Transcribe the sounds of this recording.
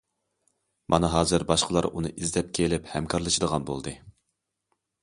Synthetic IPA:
mʔɑ̰nɨɦɑːzɨɾbɑʃqʰəlˠɑɾunɨʔizd̪ɛp̚kʲʰelɪphɛmkʰɑɾlˠɨʃɨd̪əʁɑnbo̰lˠd̪ɨ

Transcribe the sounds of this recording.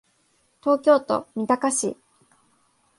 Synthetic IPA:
t̪o̞ːkʲo̞ːt̪o̞̰mʲit̪akaɕḭ

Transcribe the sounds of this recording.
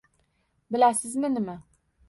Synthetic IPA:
bɪlæsɪzmɪnɪmɪ

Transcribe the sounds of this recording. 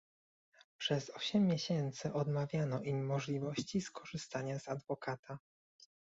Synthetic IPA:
pʂɛzɔɕɛmːʲjeɕɛnt̪sɘʔɔd̪mavʲjanɔʔimːɔʐlʲivɔɕt͡ɕiskʰɔʐɘst̪aɲazad̪vɔkʰat̪ʰa

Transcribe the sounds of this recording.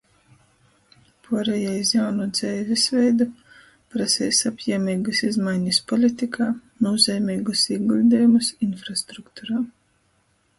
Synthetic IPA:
pʰuːɾɛjajs̬jawnud̪z̥ɛːvʲisvʲɛjd̪u | pɾasʲɛ̰jsapjɛmʲiːɡɐsizmajɲɨspɔlʲit̪ikʰaːnɔːzʲɛjmʲiːɡusiːɡlʲid̪ɛjumusinfɾast̪ɾukt̪uɾaː

